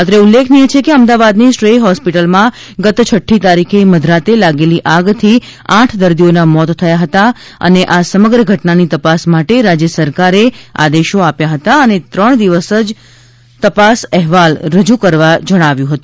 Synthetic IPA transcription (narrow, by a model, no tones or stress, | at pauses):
at̪ɾeulːekʰniet͡ʃʰekeəmd̪aʋad̪nisʈɾeɦɔspiʈəlmã | ɡət̪t͡ʃʰəʈʰːit̪aɾikʰeməd̪ʱɾat̪elaɡeliʔaɡt̪ʰi | ãʈʰd̪əɾd̪ionamɔt̪ʰːəjaɦət̪a | ə̰neʔasəməɡɾəɡʱəʈnanit̪əpasmaʈeɾad͡ʒjəsəɾkaɾea̰d̪eʃoapjaɦət̪aənet̪ɾəɳ̃d̪iʋəsəd͡ʒ | t̪əpasɛɦʋalɾəd͡ʒukəɾʋad͡ʒəɽ̃aʋjũɦət̪ũ